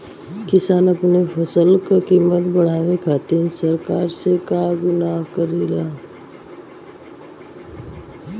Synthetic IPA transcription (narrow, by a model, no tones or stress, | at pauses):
kɪsaːnəpnepʰəsəlkakiːmət̪bəɽ̤aːʋẽkʰaːt̪insəɾkaːɾsekaɡʊnaɦkəɾiɾa